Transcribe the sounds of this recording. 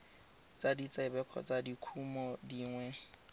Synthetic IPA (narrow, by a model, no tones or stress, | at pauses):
t͡sʼadit͡sʼɛbɛkʰɔ̰t͡sʼadikʰumɔdiːŋwɛ